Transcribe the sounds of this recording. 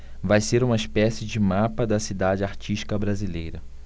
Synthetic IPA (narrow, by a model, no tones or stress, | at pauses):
vajseɾũmɐispɛsɪd͡ʒɪmapɐd̪ɐsid̪ad͡ʒɪaɾt͡ʃiʃt͡ʃi̥kɐbɾazilejɾɐ